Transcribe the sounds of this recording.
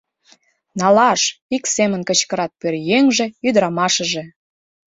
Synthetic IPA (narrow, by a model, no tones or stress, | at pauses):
nɑlɑʃiksemənkə̆t͡ɕkəɾɑt̪̚pørjeŋʒĕyd̪əɾɑmɑʃəʒe̽